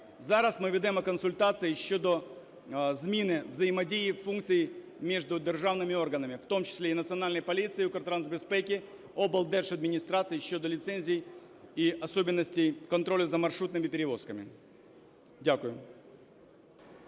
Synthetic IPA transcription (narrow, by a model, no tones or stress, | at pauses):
zɐɾasmɨvʲɪd̪ɐjɛmɐkənsʊlʲt̪at̪sɨɪjɕːo̞d̪o | zmʲinɨvzəjɪmɐdʲejɪfunkt̪sɨjɪ | mʲe̞ʐd̪ʊd̪ʲɪrʐavnɨmʲɪo̞rɡənəmʲɪft̪o̞mt͡ɕɪ̥sʲlʲeɪnət̪sɨɐnalʲnəjpɐlʲit̪sɨɪukərt̪ɾansbʲɪspʲekʲɪ | obəlˠd̪ɛʂɐd̪mʲɪnʲɪst̪ɾat̪sɨjɕːod̪əlʲɪt̪senʲzʲɪɪj | iɐso̞bʲɪnːəsʲtʲɪjkɐnt̪ɾo̞lʲʊzəmɐrʂɾut̪nɨmʲɪpʲɪɾʲɪvo̞skəmʲɪ̰ | dʲakʊjʊ